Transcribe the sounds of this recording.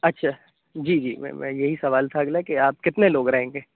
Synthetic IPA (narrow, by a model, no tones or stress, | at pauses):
ɐtːʃʰaː | d͡ʒiːd͡ʒḭːmɛ̰̃ːmɛ̰̃jɐɦisɐʋaːlt̪ʰaːɡlaekeaːp̚kɪt̪neloːɡɾɐɦẽːŋɡeː